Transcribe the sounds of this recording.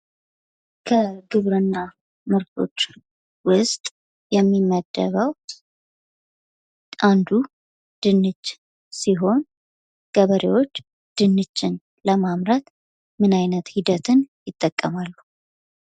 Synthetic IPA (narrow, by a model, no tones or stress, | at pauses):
kʰəɡɨβɾɨnːa | mɨɾt̪ʰo̞t͡ʃː | wʊst̪ʼ | jɛmːimːəd̪ːə̰βəw | ʔand̪u | d̪̥ɨnːɨd͡ʒ | siɦo̞n | ɡ̥əβəɾḛwo̞t͡ʃː | d̪̥ɨnːɨd͡ʒːɪn | ləmamɾat̪ | mɨnajnət̪hid̪ət̪ʰɨnjɪt̪ʼːəkʼːəmalːu